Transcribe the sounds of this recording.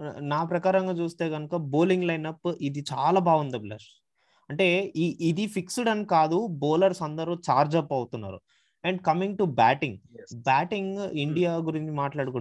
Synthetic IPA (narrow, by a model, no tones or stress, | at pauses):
naːpɾɐkaːɾɐŋɡaːt͡ʃuːst̪eːɡɐnukɐboːliŋɡlɐjnɐpːid̪it͡ʃaːlaːbaːɡund̪ɐblɐ̰ʂ | ɐɳʈe̞ːiʔid̪ipʰiksuɽɐnikaːd̪ubɔːlɐɾsɐnd̪ɐɾut͡ʃaːɾd͡ʒɐpːɐwt̪unːa̰ːɾṵ | ɛɳɖkɐmiŋɡʈubaːʈiŋɡbaːʈiŋɡiɳɖijaːɡuɾiɲt͡ʃimaːʈlaːɽuku